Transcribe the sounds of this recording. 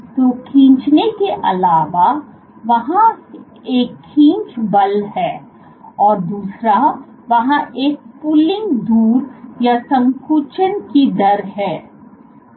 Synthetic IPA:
t̪oːkʰĩːt͡ʃnekeʔɐ̰laːʋa | ʋɐɦã | eːkʰːĩːnt͡ʃbɐlɦɛː | ɔːɾd̪uːsɾa | ʋɐɦãʔeːk̚puːlɪ̃ŋɡd̪uːɾjasɐ̃mkʰuːt͡ʃənkid̪ɐɾɦɛː

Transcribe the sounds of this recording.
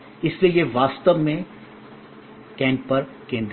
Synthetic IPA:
ɪsliejeʋaːst̪əʋmẽ | kɛ̃ːɳʈ̚pɐɾ | kẽːnd̪

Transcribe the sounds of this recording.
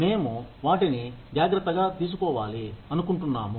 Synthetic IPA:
me̞ːmuʋaːʈinid͡ʒaːɡɾɐt̪ːɐɡaːt̪iːs̬ukɔːʋaːliɐnukuɳʈunːaːmu

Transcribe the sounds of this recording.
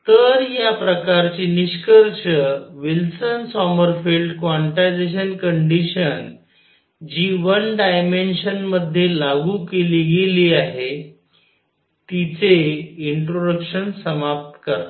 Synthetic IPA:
t̪əɾjapɾəkaɾt͡ɕiːniɕkəɾɕəʋilsənsɔməɾfilɖkʋaɳʈajd͡zeɕənkəɳɖiɕən | d͡ʑiʋənɖajmenɕənməd̪ʱːjelaɡukeliɡeliːaɦe | t̪it͡seiɳʈɾoɽəkɕənsəmap̚t̪kəɾ

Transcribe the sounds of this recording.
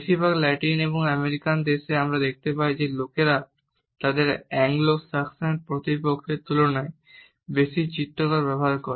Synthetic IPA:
bʃibʱaɡlɛʈineboŋameɾikand̪eʃeamɾad̪ek̚ʰt̪epajd͡ʑelokeɾa | t̪ad̪eɾɛŋlosaksapɾot̪ipokʰːet̪ulonae | beʃit͡ɕit̪ːokaɾpɛbʱaɾkoɾe

